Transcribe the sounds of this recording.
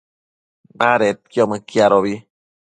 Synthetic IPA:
naɾet̪̚kjomɨkjaɾoβi

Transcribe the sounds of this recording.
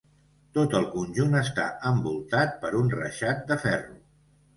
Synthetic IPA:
t̪ot̪əlˠkunʲʒunəst̪a̰əmbulˠt̪at̪̚pəɾunrə̰ʃat̪̚d̪əfɛru

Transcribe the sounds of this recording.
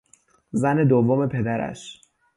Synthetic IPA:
zæne̞d̪ovːome̞pʰe̞d̪æɾæ̰ʃ

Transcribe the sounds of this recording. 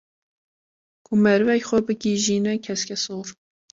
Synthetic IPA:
kʰumɛɾvɛjxɛbɨkiʒiːnɛkʰɛskʲʰɛsoːɾ

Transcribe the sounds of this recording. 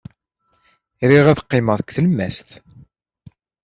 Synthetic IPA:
ɾiʁæðqːɪməðˤkʷːθəlmæst̪

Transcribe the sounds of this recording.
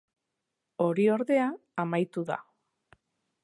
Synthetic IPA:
o̞ɾio̞ɾðe̞aː | majt̪uða̰

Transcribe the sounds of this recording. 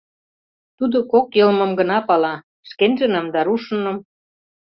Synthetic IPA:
t̪ud̪okokjɤlmɤ̆mɡə̆nɑpɑlɑ | ʃkenʒə̆nəmd̪ɑɾuʃə̆nɤ̆m

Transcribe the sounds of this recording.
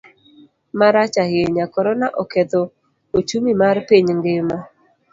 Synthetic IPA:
maɾat͡ʃahjeɲakɔɾɔnaʔɔkɛt̪o | ot͡ʃumimarpiɲŋɡɪmɔ

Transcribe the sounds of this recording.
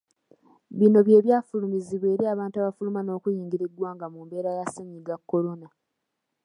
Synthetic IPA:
βino̞βje̞ːβjaːfulumiziβe̞ːɾiaːβaːntuaβafulumano̞ːkujiːŋɡiɾidwaːŋɡamumbe̞ːɾajaseɲiɡakːo̞ɾo̞na

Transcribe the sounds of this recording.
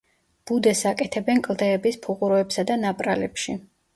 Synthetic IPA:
b̥ud̪ɛsakʼɛt̪ʰɛbɛnkʼlˠd̪ɛːbispʰuʁʼuɾɔɛpsad̪anapʼɾalɛpʃi

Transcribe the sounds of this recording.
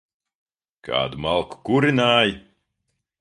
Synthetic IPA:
kʰa̰ːd̪umalˠku̥kuɾinaːji

